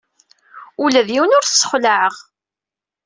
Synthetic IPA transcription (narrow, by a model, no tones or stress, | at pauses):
ulæðjiwənʊɾθsːə̥χʷlaʕəʁ